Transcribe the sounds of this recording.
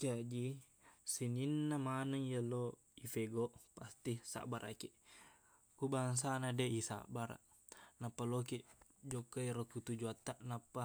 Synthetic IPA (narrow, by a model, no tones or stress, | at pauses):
d͡ʒad͡ʒi | sininːamanaŋjalo | ifeɡoʔpast̪isa̰ʔbaɾʔa̰ke | kubaŋs̬anadeisa̰baɾa̰ʔ | napːalokiʔd͡ʒokːaiɾokut̪ud͡ʒuat̪ːaʔnapːa